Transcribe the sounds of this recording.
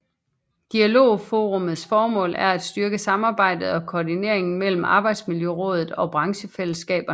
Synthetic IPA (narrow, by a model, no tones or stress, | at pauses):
d̥iælo̝̰ːfo̝ːʁomð̞̩ˠsfɒːmɔ̰̽ːlæɐæd̥sd̥ɶɐɡ̥əsɑ̈mɑ̈ːb̥ɑ̈ɪ̰d̥ð̞̩ˠɒ̽kʰoːdine̝̰ɐ̰e̝ŋn̩mel̰m̩ɑ̈ːb̥ɑ̈ɪd̥smiljøʁɔ̽ːð̞ˠð̩ˠɒ̽b̥ʁɑ̈ŋɕəfel̰əsɡ̥ɛ̰ːb̥ɐ